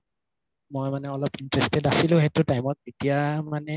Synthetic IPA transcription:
mojmanɛɔlɔpintɹɛstɛdasilʊ̃ɦɛtʊtajmɔt̚zitijamanɛ

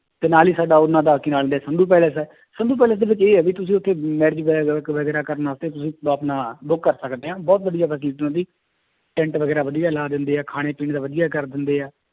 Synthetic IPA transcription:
t̪eːnaːliːsaːɖaːʊnːãːd̪aːkiːnaːlnd̪ɛːsənd̪uːp̬ɛːləsɛː | sənd̪uːpɛːləs̬d̪eːʋɪt͡ʃeːɛːʋiːt̪ʊsĩːʊt̪ʰːeːmɛːɾd͡ʒʋʋəɡɛːɾaːkəɾnaːst̪eːt̪ʊsĩːəpnaːbʊkːəɾsəkd̪eːɦãːbɔːt̪̚bəɖijaːpəːsliːʈnãːd̪iː | ʈɛ̃ːɳʈʋəɡɛːɾaːʋəd̪ijaːlaːd̪ɪnd̪eːɛːkʰaːɽ̃eːpiːɳd̪aːʋəd̪ɪjaːkəɾd̪ɪnd̪eːɛː

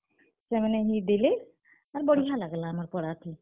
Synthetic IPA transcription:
sɛmanɛɦid̪ile | aɾbɔɽiɦalaɡlaːmaɾpɔɽat̪ʰi

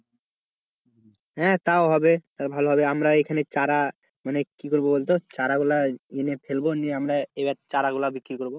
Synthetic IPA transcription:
ɦɛ̃t̪aoɦɔbet̪aɾbʱaloɦɔbeamɾaekʰanet͡ɕaɾa | manekikoɾbobolt̪ot͡ɕaɾaɡulaenefʰelboniamɾaebɛt̪t͡ɕaɾaɡulabikːɾiɾkoɾbo

